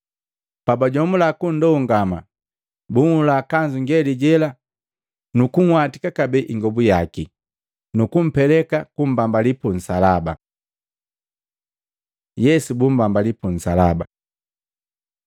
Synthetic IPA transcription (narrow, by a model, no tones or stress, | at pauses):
pabaɟɔmulakun̩dɔuŋɡama | buŋulakaɲd͡ʒuŋɡɛliɟɛla | nukuŋ̩watikakabɛʔiŋɡɔbujaki | nukum̩pɛlɛkakum̩bambalipun̩salaba̰ | jɛsubum̩bambalipun̩salaba